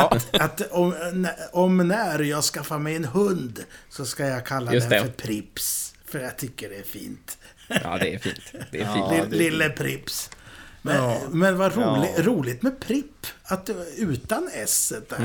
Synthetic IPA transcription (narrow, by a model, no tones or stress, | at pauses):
aat̪ɔmnɔmnæɾjɑɡskafːamɛjɛnɦɵnd̪sɔskajɑɡkʰalːad̪ɛfœɾpʰɾɪpsfœɾjɑɡ̚t̪ʰʏkːəɖɛæɾfḭːnt̪ː | dɛfḭːnt̪d̪ɛlɪlːəpʰɾɪpsmɛmɛnvaɾuːlɪɾuːlɪɡt̪mɛpʰɾɪpːat̪ʉ̟ːt̪anɛsət̪d̪æ